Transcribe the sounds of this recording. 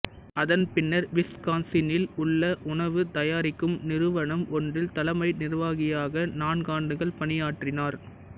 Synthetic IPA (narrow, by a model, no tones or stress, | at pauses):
ɐðɐnpɪnːɐɾʋɪskaːnsɪnɪlʊɭːɐʔʊɳɐʋɯt̪ɐjaːɾɪkːɯmnɪɾɯʋɐɳɐmʔɔndrɪlt̪ɐlɐmɐɪnɪɾʋaːɣɪjaːɣɐnaːnɡaːɳɖɯɣɐɭpɐɳɪjaːʈrɪnaːɾ